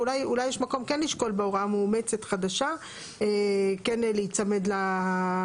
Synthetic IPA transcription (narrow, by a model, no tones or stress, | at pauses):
ulajulajːeʃmako̞mkenliʃko̞lbeoʁamuːmet͡se̞t̪χad̪aʃa | ekenlejit͡samed̪la